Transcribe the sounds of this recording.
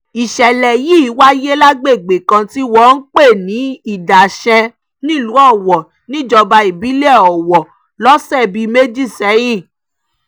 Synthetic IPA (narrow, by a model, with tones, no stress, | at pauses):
i˨ʃɛ˨lɛ˨ji˦˨˦wa˦je˦la˦ɡ͡be˦˨ɡ͡be˨kã˧ti˦wɔ˦n̩˦k͡pe˦˨nĩ˨˦i˦˨da˨ʃɛ̃˧ | nĩ˦˨lu˨˦ɔ˦˨wɔ˨ | nĩ˦˨d͡ʒɔ˧ba˧i˨bi˨˦lɔ˨wɔ˨ | lɔ˦sɛ˦˨bi˧˦me˦d͡ʒi˦˨sɛ˨˦ji˦˨